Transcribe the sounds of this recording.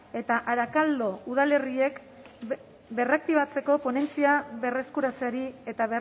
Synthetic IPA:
e̞t̪aʔaɾakald̪o̞uð̞ale̞rie̞k | be̞rak̚t̪iβat͡se̞ko̞po̞ne̞nt͡siaβe̞re̞skuɾat͡seaɾie̞t̪aβe

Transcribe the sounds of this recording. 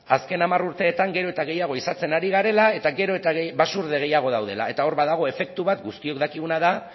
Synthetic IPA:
aske̞namaruɾt̪e̞ːt̪aŋɡe̞ɾo̞e̞t̪aɣe̞jaɣ̞o̞isat͡se̞naɾiɣ̞aɾe̞lae̞t̪aɣe̞ɾo̞e̞t̪aɣeβasuɾðe̞ɣe̞jaɣ̞o̞ð̞awðe̞la̰e̞t̪ao̞ɾβaðaɣ̞o̞e̞fe̞k̚t̪uβat̪ɡust̪io̞kd̪akiɣunaða

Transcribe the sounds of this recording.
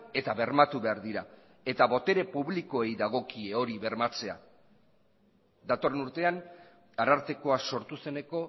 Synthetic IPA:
e̞t̪aβe̞rmat̪uβe̞aɾðiɾa | e̞t̪aβo̞t̪e̞ɾe̞puβliko̞e̞jðaɣ̞o̞kieo̞ɾiβe̞ɾmat͡se̞a̰ | ðat̪o̞renuɾt̪e̞an | aɾaɾt̪eko̞aso̞ɾt̪use̞ne̞ko̞

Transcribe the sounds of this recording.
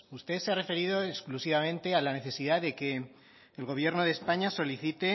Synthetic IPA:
ust̪eseare̞fe̞ɾiðo̞eksklusiβamẽ̞nt̪e̞alane̞θe̞siðaðe̞ke̞ː | lɣ̞o̞β̞je̞ɾnoð̞espaɲaso̞liθit̪e̞

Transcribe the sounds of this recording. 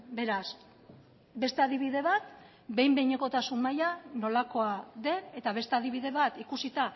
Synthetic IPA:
be̞ɾas | be̞st̪eaðiβiðe̞βat̪ | be̞jmbe̞jɲeko̞t̪asunmajano̞lako̞aðe̞ne̞t̪aβe̞st̪e̞aðiβiðe̞βat̪ikusit̪a

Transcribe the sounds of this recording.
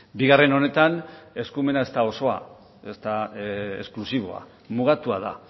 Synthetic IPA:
biɣare̞no̞ne̞t̪ane̞skume̞nae̞st̪ao̞so̞a̰ | est̪aḛsklusiβ̞o̞̰a̰ | muɣ̞at̪uað̞a̰

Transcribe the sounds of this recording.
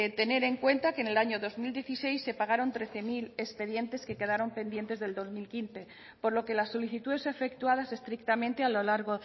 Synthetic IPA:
t̪e̞ne̞ɾe̞ŋkwe̞nt̪akene̞laɲoðo̞zmild̪je̞θise̞jsːe̞paɣ̞aɾont̪ɾe̞θe̞mile̞spe̞ðje̞nt̪e̞ske̞ke̞ð̞aɾo̞mpe̞nd̪jent̪e̞zðe̞ld̪o̞zmilkinθe̞ | po̞ɾlo̞ke̞lasːo̞liθit̪uðe̞sefe̞k̚t̪uaðase̞st̪ɾikt̪amẽnt̪e̞alolaɾɣo

